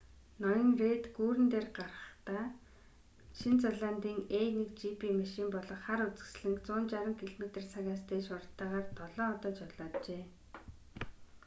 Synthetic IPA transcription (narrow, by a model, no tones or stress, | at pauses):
nɔjɞ̆ŋret̪ɡuːɾɘ̆nt̪eːrɢarʁə̥̆χt̪aː | ʃint͡saɮaːnt̪iːŋenekt͡ɕipʰimaʃiːmpɔɮɞ̆χχaɾut͡sɘ̥̆ksɮɘ̆ŋkt͡sʊːnt͡ɕaɾə̆ŋkʰiɮomet̪ĕrsʰaɣʲaːst̪ʰeːʃʊrt̪ːaːʁaːrt̪ʰɔɮɔːɔt̪ɔːt͡ɕɔɮaːtt͡ɕeː